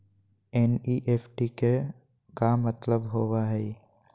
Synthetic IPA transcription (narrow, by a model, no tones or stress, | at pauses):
eːniːʔeːfʰʈike | kamət̪ləbɦoːwaɦɛː